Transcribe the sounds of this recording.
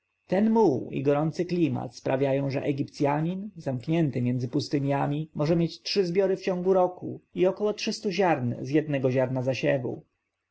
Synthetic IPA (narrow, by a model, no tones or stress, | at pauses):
t̪ɛnmuḭɡɔɾɔnt̪sɘklʲima̰t̪spɾavʲjajɔ̃w̃ʐɛ̰ʔɛɡʲipt̪sʲjaɲinzamkɲɛnt̪ɘmʲjɛnd̪zɘpust̪ɘɲjamʲimɔʐɛmʲjet͡ɕtʂɘzbʲjɔɾɘft͡ɕɔ̃ŋɡuɾɔkṵiɔkɔwɔtʂɘst̪uʑaɾnzjɛd̪̚nɛɡɔʑaɾnazaɕɛvṵ